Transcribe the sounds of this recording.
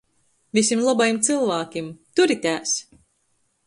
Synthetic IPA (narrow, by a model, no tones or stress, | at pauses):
visʲimlˠɔbajimt̪sɨlˠvæːkʲimt̪uɾit̪ʲæːs